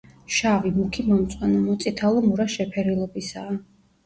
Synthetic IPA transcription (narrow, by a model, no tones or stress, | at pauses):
ʃavimukʰimɔmt̪sʼwanamɔt̪sʼit̪ʰalˠɔmuɾaʃɛpʰɛɾilˠɔbisaː